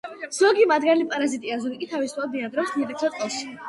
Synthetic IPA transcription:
z̥ɔɡimad̪ɡalipʼaɾazit̪ʼiazuikʼit̪ʰavisʰad̪̚iad̪ɾɔsmiɛk̪̚sʰɔt̪ʼqʼɔs

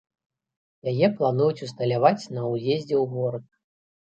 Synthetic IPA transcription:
jajɛplˠanujut͡sʲust̪ɐlʲavat͡sʲnɐwjʲezʲd͡zʲɛwɣɔɾɨk

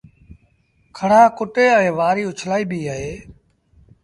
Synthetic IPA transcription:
kʰəɽ̤aːkʊʈeːɛ̃ːʋaːɾiːʊt͡ʃʰlaːiːbiːɦaːɦeː

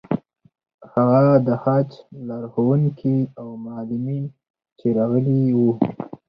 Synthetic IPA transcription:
haɣad̪əhɑt͡ʃlaɾxowuŋkʰiawmːlɪmin | t͡ʃeɾaɣəliwu

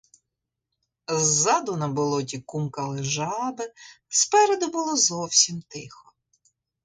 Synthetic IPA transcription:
zːɑd̪ʊnɐbɔlˠɔtʲikumkɐlˠɪʒɑbɪspɛɾed̪ʊbʊlˠɔzɔwsʲimt̪ɪxɔ

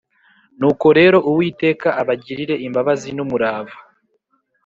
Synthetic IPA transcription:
nuːko̞ɾe̞ːɾo̞ʔuwiːte̞ːkaʔaβaɟiɾiɾe̞ʔimbaβazinumuɾaːva

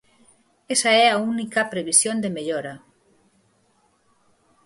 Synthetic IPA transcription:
esaɛaunikɐpɾeβisjond̪emeʎoɾa

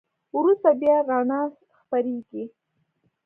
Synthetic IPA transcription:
wɾust̪abjɑɾɑɳɑs | xpaɾeɡi

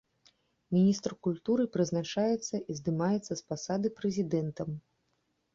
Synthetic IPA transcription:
mʲinʲist̪rkulʲt̪uɾɨpɾɨznat͡ʂajɛt̪sːɐʔizd̪ɨmajɛt̪sːɐspasad̪ɨpɾɛzʲid̪ɛnt̪ɐm

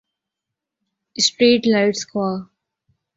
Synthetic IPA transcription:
sʈɾiːʈlaɪʈskwaː

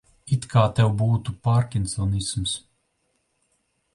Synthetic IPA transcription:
it̪kʰaːt̪ɛwbuːt̪upaɾkʲint̪sɔnisms

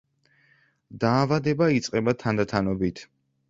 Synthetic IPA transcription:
d̪aːvad̪ɛbait̪sʼqʼɛbat̪ʰand̪at̪ʰanɔbit̪ʰ

